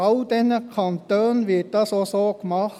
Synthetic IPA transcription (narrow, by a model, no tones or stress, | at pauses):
ɑld̪ɛnəkʰɑnt̪øːnʋeːt̪ɑsɔsɔkmɑ